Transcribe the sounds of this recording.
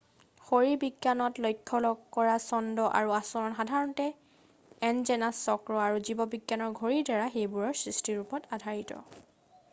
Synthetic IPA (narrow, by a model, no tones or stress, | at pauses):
xoɹibiɡjanɔtlɔjkʰːɔlɔɡkɔɹasɔndɔʔa̰ɹuasɔnɔnxadʱaɹɔntɛ | ɛnzɛnasːɔkɹɔaɹuzibɔbiɡːanɔɹɡʱoɹiɹdaɹaxejbuɹɔɹsɹistiɹupɔtadʱaɹitɔ̰